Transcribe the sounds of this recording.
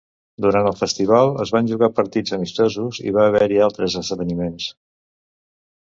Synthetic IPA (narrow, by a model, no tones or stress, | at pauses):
d̪uɾant̪əlˠfəst̪iβ̞alˠəzβanʒuɣapəɾt̪id͡zəmist̪ɔzuzḭβaːβɛɾialˠt̪ɾəzəzðəβənimens